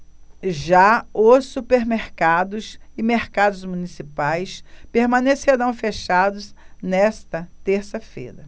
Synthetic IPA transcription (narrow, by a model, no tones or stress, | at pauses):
ʒaʊsːupeɾmeɾkad̪ʊsɪmeɾkad̪ʊzmunisipajspeɾmɐ̃neseɾɐ̃w̃feʃad̪ʊsnɛst̪ɐt̪eɾsɐfḛjɾɐ